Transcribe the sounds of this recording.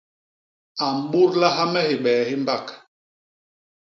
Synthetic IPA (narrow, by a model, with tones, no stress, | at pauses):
a˨m˨ɓu˦ɾla˦ɦa˦mɛ˦hi˨ɓɛː˨hi˦m˦ba˦˨k